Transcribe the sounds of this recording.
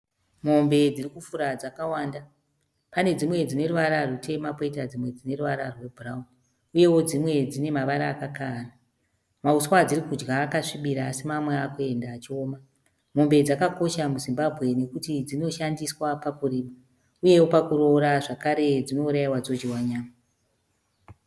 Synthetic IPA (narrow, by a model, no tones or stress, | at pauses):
mo̞mbe̞d͡zirikufuɾad͡zakawaːnda | pane̞d͡zimwe̞d͡zine̞ruʋaɾarute̞mapoitad͡zimwe̞d͡zine̞ruʋaɾarwe̞bʱuraun | uje̞wo̞d͡zimwe̞d͡zine̞maʋaɾaːkakana | mauswad͡ziɾikud͡ʒɡaːkaʂiɓiɾaːsimamweakoe̞ndaːt͡ʃio̞ːma | mo̞mbe̞d͡zakako̞ʃamuzimbabʱɣe̞ne̞kutid͡zino̞ʃandiswapakuriːma | uje̞wo̞pakuɾo̞ɾaʐakaɾe̞d͡zino̞uɾaiwad͡zo̞d͡ʒiwaɲaːma